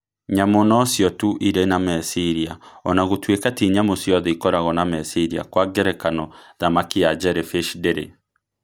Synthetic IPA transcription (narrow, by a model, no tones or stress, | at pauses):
ɲamonɔsjɔtuʔiɾenamɛsiɾiaɔ̰naɣotwekatiɲamosjɔðɛikɔɾaɣɔnamɛsiɾia̰kwaɡeɾɛkanɔðamakiad͡ʒɛɾefeʃdeɾḛ